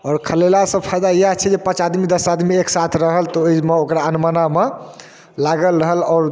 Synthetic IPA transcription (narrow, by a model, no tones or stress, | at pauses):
ɔːɾkʰəlelasə̃pʰajd̪ajat͡ʃʰɛd͡ʒepə̃t͡ʃad̪mid̪əsad̪mieksat̪ʰɾəɦəlt̪ɔəjmeokɾaənməname | laɡəlɾəɦəlɔːɾ